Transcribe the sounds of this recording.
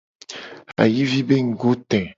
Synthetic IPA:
a̰˨ji˦vi˦be˦ŋ̩˨ɡo˦t̪ɛ̃˨

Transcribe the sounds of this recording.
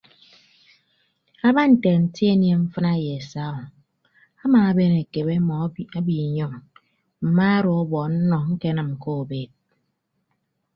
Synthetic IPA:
a˦ba˦n̩˨te˨n̩˨ti˦e˦nje˦m̩˦fɨ˦na˦˨je˨e˨sa˦ɔ˨ | a˦maː˨a˦be˦ne˨ke˨be˦ɔ˨˦a˦bi˨ɲɔ˦˨ŋ | m̩˨ma˦a˦ɾɔ˨ɔ˦bɔ˨n̩˦nɔ˨ŋ̩˦ke˦nɨ˨m̩˨ko˦o˨be˨t̚

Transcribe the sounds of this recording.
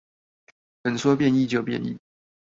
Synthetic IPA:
xə˨˩nswɔ˥pjɛ˥˧ni˥˧t͡ɕjo˥˧ʊpjɛ̰˥˨nḭ˥˨

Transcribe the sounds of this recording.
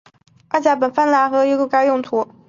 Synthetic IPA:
a˥˩t͡ɕja˧˥p̬ə˨˩nfa˥˩nla˧˥xɤ˥jku˥˩ka˥ɪjʊ˥˩ŋt̪ʰu˧˥

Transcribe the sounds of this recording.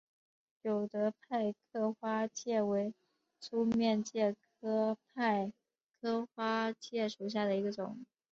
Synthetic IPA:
jo˨˩ʊt̪ə˧˦˥pʰa˥˧ɪkʰɤ˥xwa˥t͡ɕjɛ˥˩we˧˥ɪ | t͡sʰu˥mjɛ˥˧nt͡ɕjɛ˥˩kʰɤ˥pʰa˥˩ɪ | kʰɤ˥xwa˥t͡ɕjɛ˥˩ʂu˨˩ɕ̬ja˥˩d̪ə˩i˧˥ɡə˧ʈ͡ʂʊ̰˨˩˦ŋ

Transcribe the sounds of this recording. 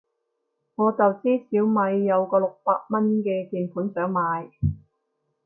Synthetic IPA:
ŋɔː˨˧t͡sɐ˨wt͡siː˥siː˨˥wmɐ˨˧jːɐ˨˧wkɔː˧lʊ˨k̚paː˧k̚mɐ˥nkɛː˧tiː˨˩npʰuː˨˥nsœː˨˥ŋmaː˨˧j

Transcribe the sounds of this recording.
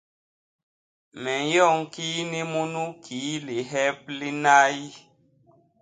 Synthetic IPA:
mɛ˨jɔ˦˨ŋ˨˦ki˦ni˦mu˦nu˦kʰi˨˦li˨ɦɛ˦p̚li˦na˦ji˦

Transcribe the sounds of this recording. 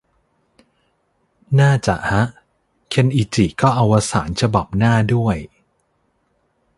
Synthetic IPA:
naː˥˩t͡ɕa̰˨˩ʔha˦˥ʔ | kʰe˧nʔiː˧˩t͡ɕi˨˩kɔː˥˩ʔa˧wʔa˧sa̰ː˩˦nt͡ɕʰa˧ba˨˩p̚naː˥˩du˥˩əj

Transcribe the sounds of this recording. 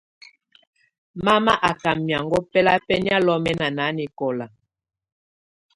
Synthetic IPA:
ma˦ma˦ʔa˨ka˨mːja˨ŋɡɔ˦pɛ˦la˦pɛ˦ni˦a˦lɔ˦mɛ˦na˨na˨˦ni˨kɔ˨la˨

